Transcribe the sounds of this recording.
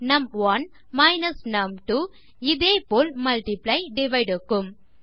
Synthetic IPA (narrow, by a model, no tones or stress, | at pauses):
nɐmʋɐn | mɐɪnɐsnɐmʈuː | ɪðeːpoːlmɐlʈɪplɐɪɖɪʋɐɪɖɯkːɯm